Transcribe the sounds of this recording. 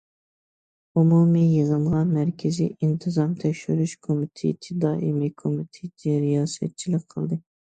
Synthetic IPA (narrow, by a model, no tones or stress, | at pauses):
umumijəʁəɴʁɑnmæɾkʲʰɪzḭint̪ʰɨzɑmt̪ʰɛkʲʃyɾyʃkʰomit̪ʰḛt̪ʰɪd̪ɑːʔimikʰomit̪ʰed̪ʰɛɾijɑːsɛ̰t̪̚t͡ʃʰilɪk̚ʲqʰəlˠd̪ɨ